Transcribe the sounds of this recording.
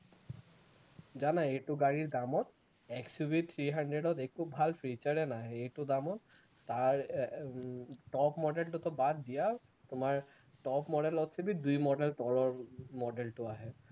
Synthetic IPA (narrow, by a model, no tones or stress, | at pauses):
d͡ʑanaejʈuɡaɹiɹd̪amɔt̪ | ɛksubit̪ʰɹiɦaɳɖɹeɖɔt̪ekubʱalpʰɹit͡ɕaɹɛnaɦɛeʈud̪amɔt̪ | t̪aɹ | ʈɔpmɔɖelʈut̪ɔbad̪ːija | t̪ʊmaɹ | ʈɔpmɔɖelɔt̪sʰebid̪ujmɔɖelt̪ɔɹɔɹmɔɖelʈʊaɦɛ